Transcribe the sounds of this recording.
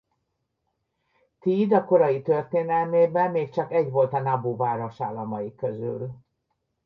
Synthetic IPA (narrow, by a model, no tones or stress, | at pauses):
t̪iːd̪ɒko̞ɾɒjit̪ø̞rt̪eːnɛlmeːbɛmːeːkt͡ʃɒkɛɟvo̞lt̪ɒnɒboːvaːɾo̞ʃaːlːɒmɒjikːø̞zy̰l